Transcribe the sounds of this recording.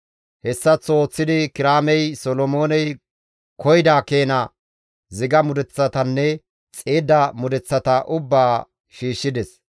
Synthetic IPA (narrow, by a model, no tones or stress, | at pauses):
hɛsːɐt͡sːoːt͡sːɪd̪ɪkɪɾaːmɛjsɔlɔmoːnɛj | kʰɔjd̪aːke̞ːnɐ | zɪɡɐmʊd̪ɛt͡sːɐt̪ɐnːɛ | t͡sʼeːd̪ɐmʊd̪ɛt͡sːɐt̪ɐʔʊbːaː | ʃiːʃːɪd̪ɛs